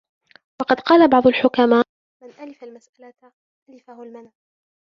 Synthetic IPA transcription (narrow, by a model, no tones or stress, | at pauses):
wɑqɑd̪qɑːlabɑʕd̪ˤʊlħʊkamaː | mɪnʔalɪfalmasʔala | alɪfahʊlmanaː